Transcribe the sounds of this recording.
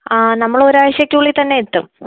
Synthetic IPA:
nɐmːɐɭo̞ɾaːʋɐɕjɐkʲːuːɭːit̪ɐnːe̞jet̪ːum

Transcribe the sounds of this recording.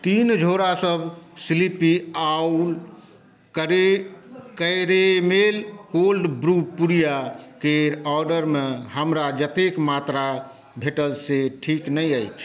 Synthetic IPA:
t̪ind͡ʒʱoɾasəbʱsilipiaul | kəɾekəɪɾemelkolɖbɾupuɾijakeɾɔɾɖəɾmeɦəmɾad͡ʒət̪ekmat̪ɾa | bʱeʈəlseʈʰiknəjəjt͡ʃʰ

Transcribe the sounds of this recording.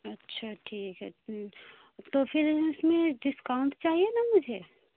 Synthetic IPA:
ɐtːʃʰaʈʰiːkɦɛ̰ | t̪ofʰɪɾɪsmẽɖɪskaʊ̃ɳʈ̪t͡ʃaːɦienamʊd͡ʒʱe

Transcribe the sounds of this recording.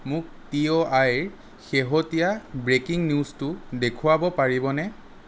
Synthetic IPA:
mʊk̚tioajɹ | xeɦɔtijabɹekiŋnjustʊdekʰʊabɔpaɹibɔnɛ

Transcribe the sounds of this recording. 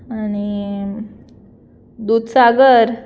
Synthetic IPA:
añi | d̪ud̪saɡəɾ

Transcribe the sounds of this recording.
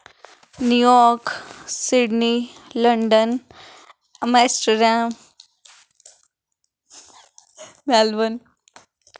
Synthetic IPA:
njujɔɾksiɽniləɳɖən | mesʈəɾam | malbən

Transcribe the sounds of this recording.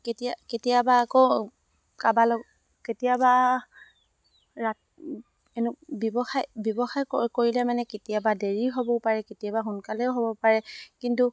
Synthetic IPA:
ketijaketijabaːko | kabalɔ | ketijaba | ɹa | enʊbbɔxajbjɔbɔxajkkoɹilɛmanɛketijabadeɹiɦobɔpaɹɛketijabaxunkalɛʊɦobɔpaɹɛkintu

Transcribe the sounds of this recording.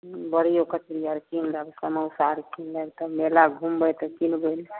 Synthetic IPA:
bəɽijokət̪ɾijəɾkinləbsəməsaɾkinləbt̪əmelaɡʱumbəjt̪ɔkinbel

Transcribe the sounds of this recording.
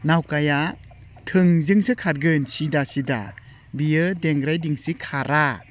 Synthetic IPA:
nawkaja | tʰɯŋzɯŋsɯkʰaɾɡɯnsidasida̰ | bijɯdeŋɾajdiŋsikʰaɾa

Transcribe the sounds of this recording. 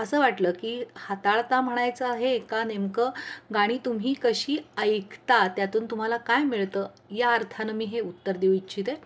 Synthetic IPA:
əsəːʋaʈləːkiːhat̪aɭt̪am̤əɽ̃ajt͡səaɦeːkanemkəɡaɽ̃iːt̪umɦiːkəɕiːəjkʰt̪at̪jat̪uːnt̪um̤alakajmiɭt̪əː | jaəɾt̪ʰanəmiːɦeut̪ːəɾd̪eʋit͡ɕʰit̪e

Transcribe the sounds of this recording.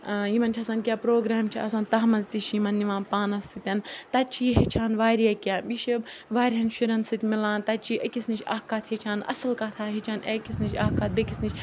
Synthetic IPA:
jimɐnt͡ʃʰɐsaːnkʲjaːpɾoːɡɾaːmt͡ʃʰiɐsaːnt̪ɐɦmɐnzt̪it͡ʃʰjimɐnːiʋãːnpaːnɐsːɨt̪ʲɐnt̪ɐt͡ʃʰiːɦit͡ʃʰaːnʋaːɾijɐkʲaːbiʃiʋaːɾʲɦɐnʃiɾɐnsɨt̪ʲmilãːnt̪ɐt͡ʃʰiːʔɐkʲisnit͡ʃʰʲɐːhkaːt̪ʰhet͡ʃʰaːnɐ̰sɨlkɐt̪ʰaːɦit͡ʃʰaːnekʲisnit͡ʃʰʲɐːhkaːt̪̚bekʲisnit͡ʃʰʲ

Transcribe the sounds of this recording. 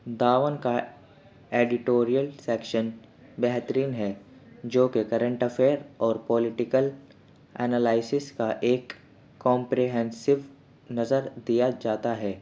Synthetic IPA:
d̪aːʋənka | eːɖɪʈoːɾijəlsɛːkʃənbɛɦt̪əɾiːnɦɛːd͡ʒoːkekɐɾə̃ɳʈɐfʰeːɾɔːɾpɔːlɪʈɪkəl | ɛːnaːlaːɪsɪskaʔeːkː | ɔ̃ːmpɾeɦɛ̃nsɪʋ | nɐzəɾd̪ijad͡ʒaːt̪aɦɛː

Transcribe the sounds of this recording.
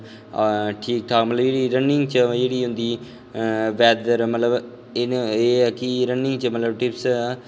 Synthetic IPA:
ʈʰiːk̚ʈ̪ʰaːkmət̪ləbd͡ʒeːɽiːɾənɪŋɡt͡ʃəd͡ʒeːɽiːɦʊ̃nd̪iː | ʋɛːd̪d̪əɾmət̪ləb | ɪeːɛːkɪɾənɪŋɡt͡ʃəmət̪ləb̚ʈɪps

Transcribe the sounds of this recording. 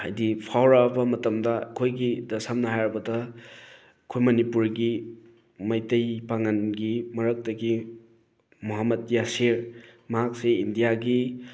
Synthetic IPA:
ha̰jdipʰawɾabɐmɐtɐmdɐkʰojɡidɐsamnɐɦajɾɐbɐdɐ | kʰojmɐnipuɾɡi | mɐjtɐjpaŋanɡimɐɾɐk̚tɐɡi | muɦamɐdjasiɾmɐɦak̚seindijaɡi

